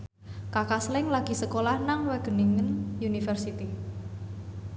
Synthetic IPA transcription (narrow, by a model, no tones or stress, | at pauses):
kakaslɪŋlaɡ̥i̤səkolahnaŋwɛɡ̥ə̤niŋənjunifərsit̪i